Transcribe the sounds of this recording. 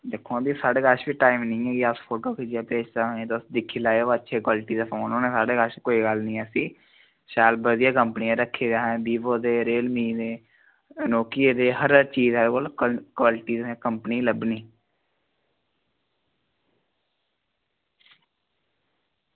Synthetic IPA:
d̪ekʰːõːb̪iːsaːɽeːɡəʃbiːʈaːimnĩːɛːɡiaspʰoːʈoːkid͡ʒijaːpeːd͡ʒt̪aːɦːt̪osd̪ɪkʰːiːlaːeoːətːʃʰeːkwaːlʈiːd̪afʰonoːneːsaːɽeːkəʃkoːiːɡəlnĩːəsĩː | ʃaːlbəd̪ɪjãːkəmpnijãːɾəkʰːeːd͡ʒaːɦɛ̃ːb̪iːboːd̪eːɾeːlmĩːd̪eː | noːkijeːd̪eːɦəɾəɾt͡ʃiːzɛːd̪kolkwaːlɪʈiːzːkəmpniːləbniː

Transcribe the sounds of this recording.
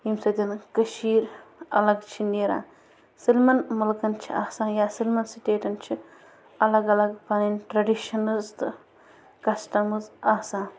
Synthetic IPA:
imsɐd̪ʲɐnkɐʃiːɾɐ̰lɐɡt͡ʃʰineːɾã̰ːn | silmɐnmɐlkɐnt͡ʃʰḭa̰ːsãːnjaːsilmɐnsiʈeːʈɐnt͡ʃʰi | ɐlɐɡɐlɐɡpɐninʈɾɐɖiʃɐnɐzt̪ | kɐsʈɐmɨzaːsãːn

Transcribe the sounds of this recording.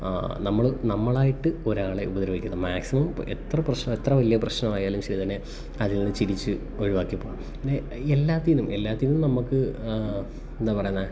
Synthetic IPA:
nɐmːɐɭnɐmːɐɭaːjiʈːɨo̞ɾaːɭe̞ʔubɐd̪ɐɾɐʋikʲːunɐðɐmaːksimɐmḛt̪rɐprɐɕnɐmet̪rɐʋɐlijɐprɐɕnɐmaːjaːlumɕɐɾit̪ːɐnːe̞ | ɐðilnːɨt͡ɕiɾit͡ɕːɨ | oɻiʋaːkːipːoːɐmpinːe | elːaːt̪ːijnumʔe̞lːaːt̪ːijinumnɐmːukːɨ | end̪aːpɐrɐjunːal

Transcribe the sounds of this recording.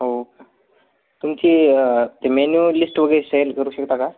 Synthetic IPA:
ɦo | t̪umt͡ɕiːt̪emenjulisʈʋəɡəɾeselkəɾuːɕəkt̪aka

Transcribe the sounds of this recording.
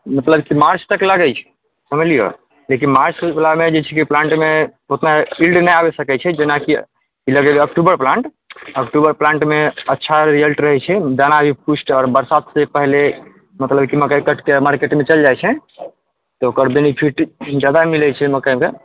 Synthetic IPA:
mət̪ləbkimaɾt͡ʃt̪əkeləɡɛt͡ʃʰɛ̥ | səməlijo̰ | lek̬inmaɾt͡ʃbelamed͡ʒet͡ʃʰɛkiplãɳʈmeot̪nailɖnəjabesəkɛt͡ʃʰɛd͡ʒenaki | iləɡebeək̚ʈubəɾplãɳʈ | əkʈubəɾplãɳʈmeətːʃʰaɾiəlʈɾəɦɛt͡ʃʰɛd̪anabʱipusʈɔːɾbəɾsat̪sepəɦle | mət̪ləbkiməkajkəʈkemaɾkeʈmet͡ʃəld͡ʒajt͡ʃʰɛ | t̪ɔokəɾbenipʰiʈd͡ʒad̪amilɛt͡ʃʰɛməkəke

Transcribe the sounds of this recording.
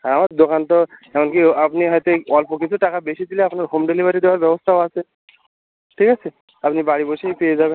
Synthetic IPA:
aɾamaɾd̪okant̪ɔɛmonkiapniɦɔjt̪eɔlpʰokit͡ɕʰuʈakabeʃid̪ileapnaɾɦomɖelibʱaɾid̪eoaɾbɛbost̪ʰaoat͡ɕʰe | ʈʰikat͡ɕʰe | apnibaɽibojʃejpeed͡ʑaben

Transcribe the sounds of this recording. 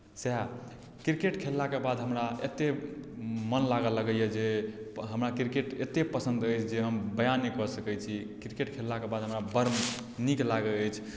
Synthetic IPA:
sɛ | kɾikeʈkʰelːakebad̪ʱɦəmɾaet̪e | mənlaɡələɡəjɛd͡ʒeɦəmɾakɾikeʈet̪epəsə̃nd̪əjt͡ʃʰd͡ʒeɦəmbəjanːikɔsəkɛt͡ʃʰikɾikeʈkʰelːakebad̪ʱɦəmɾabəɾm | niklaɡeəjt͡ʃʰ

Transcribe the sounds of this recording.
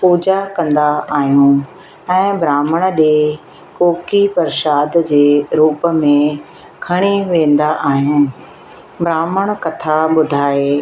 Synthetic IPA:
puːd͡ʑakɐ̃nd̪aaːɦijũ | ɛ̃ːbɾaːməɽ̃ɗe | koːkipɐɾʃaːd̪d͡ʑeːɾuːpə̆mẽ | kʰɐɽ̃eʋẽːn̆d̪aʔaːɦijũː | bɾaːməɽ̃kɐt̪ʰaɓʊd̪ʱaːeː

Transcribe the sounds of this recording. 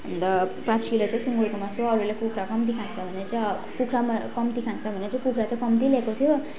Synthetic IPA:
nd̪ʌprasʰilet͡saĩsiŋɡoɾkomasoʌɾulekukʰɾakʌmt̪̬ikʰant͡sʰʌbʱʌneɾʌt͡sãj̃ | kukʰɾamkʌmt̪ikʰant͡sʰʌbʱʌneʌt͡sãĩkukʰɾat͡sãĩkʌmt̪ilekot̪ʰijo

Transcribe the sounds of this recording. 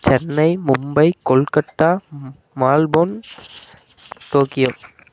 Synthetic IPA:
t͡ɕɛnːɐɪmʊmbɐɪkɔɭkɐʈːaː | maːlboːn | t̪oːkɪjoː

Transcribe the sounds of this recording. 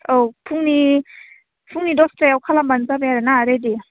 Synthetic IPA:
owpʰuŋni | pʰuŋnidɔstɾajawkʰalambanzabejaɾanaːɾedi

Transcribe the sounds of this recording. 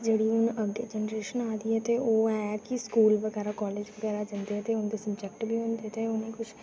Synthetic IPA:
d͡ʒeːɽiʊnəɡːḛːd͡ʒɛnəɾeːʃənaːd̪iɛt̪eoːɛːkiskuːlʋəɡɛːɾakɔːleːd͡ʒʋəɡɛːɾad͡ʒənd̪eɛːt̪eʊnd̪esəbd͡ʒɛkʈbʱiːʊ̃nd̪et̪eʊnẽːkʊt͡ʃʰ

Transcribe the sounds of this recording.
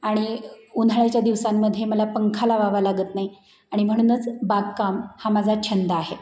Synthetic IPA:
aɽ̃iunʱaɭjat͡ɕjad̪iʋsamːəd̪ʱːjeməlapəŋkʰalaʋaʋalaɡəːt̪nai | aɽ̃im̤əɽ̃uːnət͡sbaɡ̚kamhamad͡zʱat͡ɕʰənd̪aaɦe

